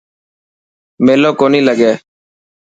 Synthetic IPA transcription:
meːloːkoːniːləɠeː

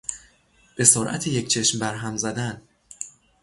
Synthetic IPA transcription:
b̥e̞soɾʔæ̰t̪ʰeject͡ʃʰe̞ʃmbæɾɦæmzæd̪æn

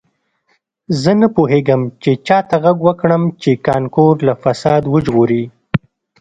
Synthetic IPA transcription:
zənapoɦeɡəmt͡ʃet͡ʃɑt̪aɣaɡwəkɽəmt͡ʃekɑnkoɾlafasɑd̪wəʒɣoɾi

